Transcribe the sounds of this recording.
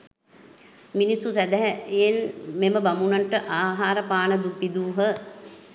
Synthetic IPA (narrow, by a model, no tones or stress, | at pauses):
minisːusæd̪æɦɛelmeməbamunanʈəʔaːɦaːɾəpaːnəd̪upid̪uːɦə